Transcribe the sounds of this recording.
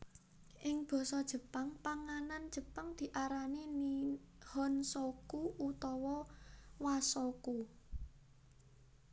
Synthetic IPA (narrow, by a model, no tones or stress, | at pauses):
ʔɪŋb̥ɔ̤sɔd̥ʒ̥ə̤paŋpaŋanand̥ʒ̥ə̤paŋd̪̥i̤ʔaɾanini | hɔnsɔkuut̪ɔwɔwasɔku